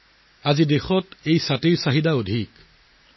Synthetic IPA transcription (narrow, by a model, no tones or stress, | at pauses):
azidexɔtejsatiɹsaɦidaodʱik